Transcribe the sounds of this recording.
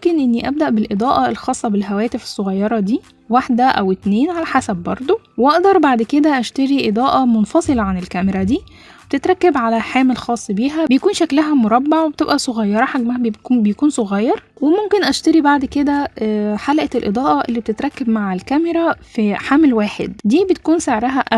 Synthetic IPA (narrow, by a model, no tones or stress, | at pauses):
mkenʔenːiʔæb̚d̪æʔbelʔed̪ˤɑːʔɑelxɑːsˤːɑbelɦæwæːt̪efe̥sˤːoɣɑjːɑɾˤɑd̪iː | waħd̪æʔæ̰wet̪neːnʕalæħasæbbɑɾˤd̪ˤo | wʔɑʔd̪ɑɾˤbaʕd̪ked̪æʔæʃt̪æɾiʔed̪ˤɑːʔɑmonfɑsˤelɑʕanelkæmeɾˤæd̪iː | webet̪et̪ɾˤɑkːebʕalæħaːmelxɑːsˤːbiːɦæbejkuːnʃæklæɦæmoɾˤɑbːaʕwebe̥t̪ebʔæsˤoɣɑjːɑɾˤɑħaɡmæhæbkuːbejækuːnsoɣæjːɑɾˤ | wemomkenʔæʃt̪æɾibaʕd̪ked̪æħalʔæelʔed̪ˤɑːʔɑʔelːiːbet̪et̪ɾˤɑkːebmaʕælkæmeɾˤæfiħamlwaːħḛd̪d̪iːbet̪ækuːnseʕɾæɦæʔæ